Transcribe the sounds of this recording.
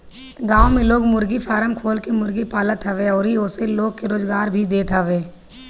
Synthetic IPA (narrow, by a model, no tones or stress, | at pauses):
ɡãːwmẽloːɡmʊɾɡipʰaːɾəmkʰoːlkemʊɾɡipaːlət̪ɦəʋeɔːɾɦiʊseloːɡ̚keɾoːzɡaːɾbʱid̪eːt̪ɦəʋeː